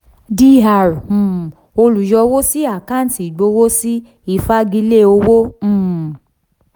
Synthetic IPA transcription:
di˧˦ɦa˨ɾ̩̃˨ | o˧lu˨jɔ˧˦wo˦si˦a˦˨kã˦˨n̩˨ti˨ɡ͡bo˨˧˦wo˦si˦ | i˦˧˨fa˦ɡi˧˦le˦˨o˧wõ˦˨

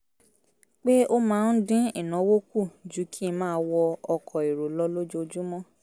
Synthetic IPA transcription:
k͡pe˦o˦mãː˦˧n̩˦dĩ˦i˦˨nã˨˦wo˦ku˦˨d͡ʒu˨˦kʰi˦˧˦mãː˦wɔ˧ɔ˧kʰɔ˨i˨ɾo˨lɔ˧˦lo˦d͡ʒo˦˧d͡ʒu˦mɔ̃˦

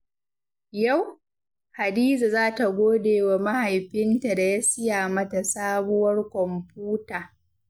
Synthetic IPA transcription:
ja˦˨w | ha˨diː˦za˨zaː˦ta˨ɡʷoː˦deː˨wa˨mɐ˦ha˨jɸɪ˦nta˨da˨ja˦sɪ˦jaː˨mɐ˦ta˨saː˦bʊ˦wɐ˦rkʷɔ˨mpuː˦taː˨

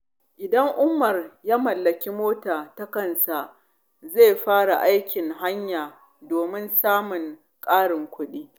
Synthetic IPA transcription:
ʔɪ˨dɐ˦ŋʔʊ˦mːɐ˨rjaː˦mɐ˨lːɐ˨kʲi˦moː˦taː˨ta˦kɐ˦nsa˨ | ze˦˨ɸaː˦ɽa˨ʔa˦jkʲɪ˨ŋɦa˦ɲjaː˨ | doː˨mɪ˦nsaː˦mʊ˨ŋ | kʼaː˦ɽɪ˨ŋkʷʊ˦ɗiː˦

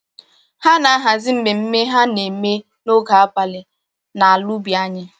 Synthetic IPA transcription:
ha˦na˨a˦ɦa˨zɪ˦m̩˦me˨m̩˦me˦ɦa˦ne˨me˦ | no˦ɡa˨a˦pa˨lɪ˨ | na˨a˨lu˦bi˨a˦ɲɪ˦

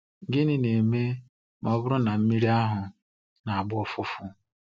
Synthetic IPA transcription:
ɡɪ˦nɪ˦ne˨me˦ | mɔ˦bʊ˦ɾʊ˦na˨m̩˦mi˦ɾi˦a˦ɦʊ˨ | na˨a˨bʊ˦ɔ˦fʊ˦fʊ˦

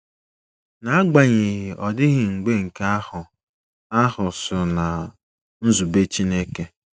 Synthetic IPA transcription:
na˨a˦ɡ͡ba˨ɲe˨ɦɪ˨ʔɔ˨dɪ˦ɣɪ˨ŋ͡m̩˨ɡ͡be˦ŋ̩˨ka˦hʊ˨ | a˦hʊ˨sʊ˨na˨ | n̩˦zu˨be˦t͡ʃi˦ne˦ke˦

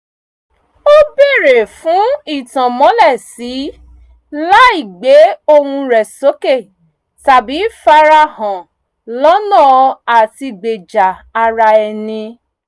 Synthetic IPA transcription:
o˦be˦˨ɾe˨fũ˨˦i˦˨tã˨mɔ̃˨˦lɛ˦˨si˨˦ | la˦i˦˨ɡ͡be˨˦o˦hũ˧ɾɛ˨so˨˦ke˦˨ | ta˨bi˨˦fa˧ɾa˧hɔ̃˨ | lɔ˦nã˦˨a˨ti˧ɡ͡be˨d͡ʒa˨a˧ɾa˧ɛ˨nĩ˧

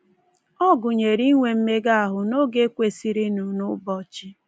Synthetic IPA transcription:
ɔ˦ɡʊ˨ɲe˨ɾi˦ŋʷe˨m̩˦me˦ɡa˦a˨ɦʊ˨no˦ɡe˦kʷe˨si˨ɾi˦nu˨nʊ˦bɔ˦t͡ʃɪ˦

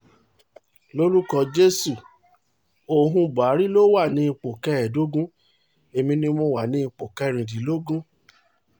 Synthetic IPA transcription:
lo˦lu˦kɔ˧d͡ʒe˦su˦˨ | o˨ɦũ˧ba˨˦ɾi˦lo˦wa˦˨nĩ˧k͡po˨kɛ˧ɛ˨do˦ɡũ˦ | e˨mĩ˧nĩ˧mɔ̃˦wa˨nĩ˧k͡po˨kɛ˧ɾ̃ĩ˨di˨˦lo˦ɡũ˦

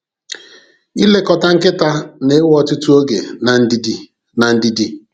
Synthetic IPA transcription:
i˦le˦kɔ˨ta˨ŋ̩˦kɪ˦ta˦ne˨˦wɔ˦tʊ˦tu˦o˦ɡḛ˨na˨n̩˦di˦d | na˨n̩˦di˦di˦

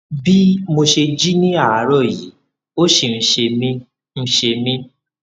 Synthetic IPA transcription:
bi˦mo˧ʃe˧d͡ʒi˦nĩ˦a˦˨a˨˦ɾɔ˦˨ji˨˦ | o˦ʃe˧˨n̩˨˧ʃe˧mĩ˦ | n̩˧ʃe˧mĩ˦

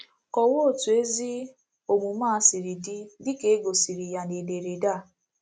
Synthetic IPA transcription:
kɔ˨wo˦˨tu˨e˦zi˦ | o˨mu˨maː˦˨˦si˨ɾi˨di˦dɪ˦ke˨˦ɡo˨si˨ɾi˨ja˨ne˨de˨ɾe˨da˦˨

